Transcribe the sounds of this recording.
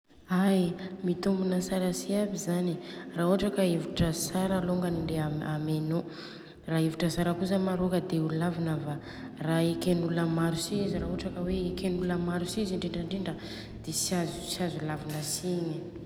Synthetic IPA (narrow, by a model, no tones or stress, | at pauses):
ajmit̪umbunəsaɾəsiabizaniraːɦoaʈ͡ʂakəevuʈ͡ʂəsaɾaloŋɡaniɳdeaameno | raːevuʈ͡ʂəsaɾəkuzəmaɾokəd̪euulavinava | raekenulamaɾusiiziɾaɦoaʈ͡ʂakəwekenuləmaɾusiziɳɖ͡ʐeɳɖ͡ʐəɳɖ͡ʐiɳɖ͡ʐə | d̪̥esazusiazulavinəsiɲə